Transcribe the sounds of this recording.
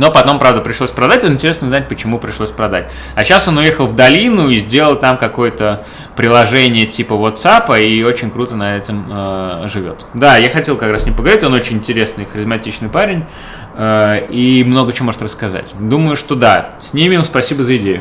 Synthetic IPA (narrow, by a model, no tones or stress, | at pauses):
nopɐt̪o̞mpɾavd̪əpɾʲɪʂlˠosʲpɾɐd̪atʲonɪnʲtʲɪɾʲesnəznat̚ʲpət͡ɕɪmupɾʲɪʂlˠosʲpɾɐd̪a̰tʲ | ɐɕaso̞nʊjexəlˠvd̪ɐlʲinʊizʲdʲelˠəlˠt̪amkɐko̞jət̪ə | pɾʲɪlˠɐʐɛnʲɪjətʲipəvot̪sapəio̞t͡ɕɪnʲkɾut̪ənɐɛtʲɪməʐɨvʲo̞̰t̪d̪ajaxɐtʲelˠkɐkɾasnʲempəɡəvɐɾʲitʲo̞no̞t͡ɕɪnʲɪnʲtʲɪɾʲe̞snɨxəɾʲɪzmɐtʲit͡ɕnɨjpaɾʲɪnʲ | əimno̞ɡət͡ɕomo̞ʐɨt̪ɾrəskɐza̰tʲd̪uməjʊʂt̪o̞d̪asʲnʲemʲɪmspɐsʲibəzəɪdʲejʊ̰